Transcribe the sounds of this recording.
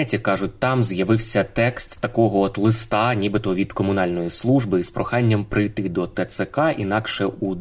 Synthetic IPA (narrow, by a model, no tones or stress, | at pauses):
ɛtʲikɑʒʊt̚ʲt̪ɑmzjɐʋɪwsʲɐt̪ɛkst̪ːɐkɔɦɔɔt̪lˠɪst̪ɑnʲibɪt̪ɔʋʲid̪kɔmʊnɑlʲnɔjislˠuʒbɨspɾʔɔxɑnʲːɐmpɾɪjt̪ɪd̪ɔt̪ɛt̪sɛkɑʔinɑkʃɛu